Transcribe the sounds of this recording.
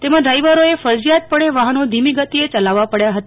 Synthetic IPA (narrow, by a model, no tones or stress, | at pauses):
t̪emãɖɾajʋəɾoefəɾd͡ʒijat̪̚pəɳ̃eʋaɦənod̪ʱimiɡət̪iet͡ʃəlaʋːapəɽjaɦət̪a